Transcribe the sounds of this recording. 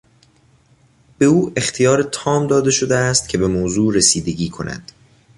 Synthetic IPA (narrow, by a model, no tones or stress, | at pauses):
b̥e̞uːext̪ʰijɒːɾet̪ʰɒːmd̪ɒːd̪e̞ʃo̞d̪eæst̪̚cʰe̞be̞moːzuːɾesiːd̪e̞ɟiːkʰo̞̰nʔæ̰d̪̥